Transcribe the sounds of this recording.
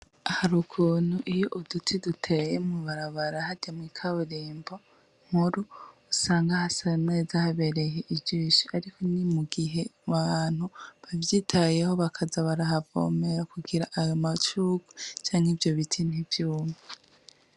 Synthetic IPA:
ahaɾukʰuːn̥huʔijoʔudutʰidutʰe̞jemuβaɾaβaɾahadɟamŋiːkʰaβuɾiːmbo̞ | ŋ̥huɾuːsaːŋɡahasane̞ːzahaβe̞ɾe̞jeʔibɟiːʃiʔaɾikʰo̞nimuɡiɦe̞βaaːn̥huβavjiːtʰaje̞ho̞βakʰazaβaɾaɦavo̰me̞ɾakuɡiɾaʔajomat͡ʃuːɡu̥t͡ʃaːŋhivjo̞βitʰin̥ivjuːme

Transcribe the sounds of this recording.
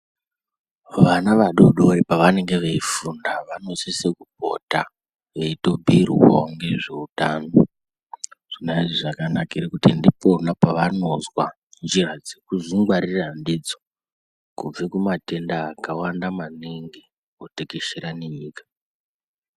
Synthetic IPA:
ʋanaʋaɗoɗoipaʋane̞ŋɡeʋeifundaʋano̞sise̞kup̚o̰ta | ʋe̞ito̞bʱirwo̰ŋɡe̞ʐe̞utaːno | ʐ̥inaiʐiʐakanakaiɾikutindiponapaʋano̞zwa | nd͡ʒirad͡zekuziŋɡwaɾirandid͡zo | kub͡vekumate̞ndaːkawandamaneŋɡe | otekeʃeɾaneɲiːkḁ

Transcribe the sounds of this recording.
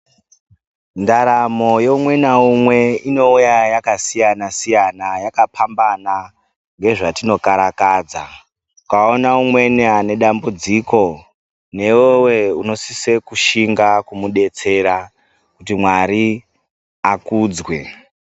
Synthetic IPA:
ndaɾamo̞joumwe̞naumwe̞ino̞ujajakasijanasijanajakapʰambana | ŋɡe̞ʐatino̞kaɾakaːd͡za̰ | ukao̞naumwe̞niane̞ɗambud͡ziko̞ | ne̞wewe̞uno̞sise̞kuʃiŋɡakumuɗe̞t͡se̞ɾa | kutimwaɾi | akuːd͡zwe̞

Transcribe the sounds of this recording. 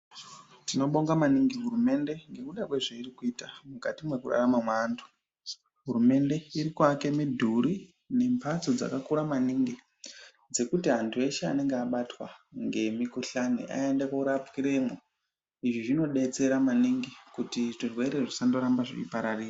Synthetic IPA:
tino̞ɓo̞ŋɡamaniŋɡiɦuɾume̞nde̞ŋɡe̞kuɗakwe̞ʐeirikuiːtamukatimwe̞kuɗa̰ramamwaːndu̥ | ɦurume̞nde̞iɾikwake̞midʱuɾi | ne̞mpʰat͡so̞d͡za̰kakuɾamaniŋɡi | d͡ze̞kutiɦantʰue̞ʃea̰ne̞ŋɡeaɓatwa̰ŋɡe̞mikuɬanḛʔa̰e̞ndekoɾapkiɾe̞mo | iʐiʐino̞ɗe̞t͡se̞ɾamaniŋɡikutiʐirwe̞ɾe̞ʐisando̞ɾambaʐḛḭpaɾariːra

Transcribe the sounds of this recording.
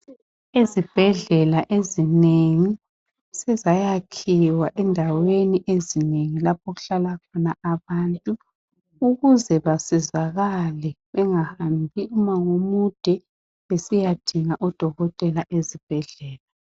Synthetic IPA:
izib̥ʱɛɮɛlaʔezineŋi | sɛzajakʰiwaʔɛndʱaweniʔezineŋilap̚ʰoɣuɬalakʰɔnaʔaβantʼu | uɣuzɛβasizaɣalɛβɛŋahambʱiumaŋomud̥ʱɛ | esijad̥ʱiŋaʔɔd̥ʱɔɣɔtʼɛlaʔezib̥ʱɛɮɛːla

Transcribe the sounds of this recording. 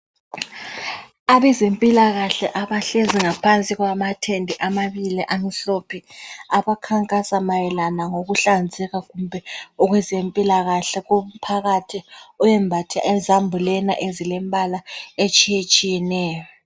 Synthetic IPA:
aβɛzempʼilaɣaɬɛʔaβaɬeziŋapʰant͡sʼiɣwamatʰendʱiʔamaβiliʔamiɬopʰiaβakʰaŋkʼasamajɛlanaŋoɣuɬand͡zʱɛɣaɣumbʱɛɔɣwɛzempʼilaɣaɬɛɣum̩pʰaɣatʰiɔjɛmbʱatʰiʔɛzambʱulɛnaʔezilɛmbʱalaet͡ʃʼijet͡ʃʼijɛnɛːjɔ

